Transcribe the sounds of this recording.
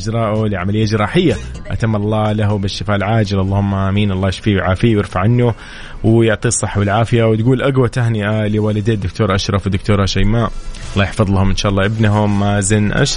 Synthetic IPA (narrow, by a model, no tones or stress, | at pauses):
d͡ʒɾˤɑːʔʊliʕamalɪjːad͡ʒɪɾˤɑːħɪjːaʔat̪amːʔlˤːɑːlaɦʊbɪʃːɪfaːʔlʕaːd͡ʒɪlʔɑlˤːɑːhʊmːaʔamiːnʔɑlːˤɑːjɪʃfiːʕaːfiwjɪɾfaʕanːʊ | wjʊʕt̪ˤiːsˤːɑħːwɪlʕaːfɪjawt̪ɡuːlʔaɡwat̪aɦnɪʔaliwaːlɪd̪eːd̪ʊkt̪oːɾˤʔaʃɾˤɑfd̪ʊk̚t̪oːɾˤɑʃajmaːʔɑlˤːɑːjɪħfɑðˤlahʊmʔɪnʃaːʔɑlːɑːʔɪbnaɦʊmːazɪnːʔa̰ʃ